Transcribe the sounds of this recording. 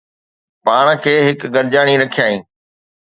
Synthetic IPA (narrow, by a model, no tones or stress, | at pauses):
paːɽ̃kʰeːɦɪkɡɐɾd͡ʑaːɽ̃iɾɐkʰijaːɦĩː